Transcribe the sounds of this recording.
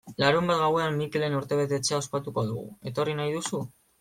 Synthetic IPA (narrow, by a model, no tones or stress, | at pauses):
laɾumbat̪ɣawe̞amːike̞le̞nuɾt̪e̞β̞e̞t̪e̞t͡seao̞spat̪uko̞ðṵɣṵe̞t̪o̞rinajðusu